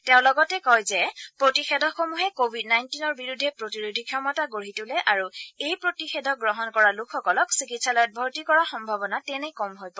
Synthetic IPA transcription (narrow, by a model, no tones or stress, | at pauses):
tɛʊ̃lɔɡɔtɛkɔjzɛpɹotixɛdʱɔxomuɦɛkobʱidnajntinɔɹbiɹudʱːɛpɹotiɹodʱikʰjɔmɔtaɡoɹitʊlɛʔaɹuejpɹotixɛdʱɔɡɹɔɦɔnkɔɹalukʰːɔkɔlɔksikitsalɔjɔt̚bʱɔɹtikɔɹaxɔmbʱabɔnatɛnɛkɔmɦojpɔ